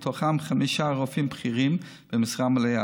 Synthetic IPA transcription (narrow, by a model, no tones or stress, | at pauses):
t̪ʰoχamχamiʃaʁofimpχiʁim | b̥əmɪsʁamleja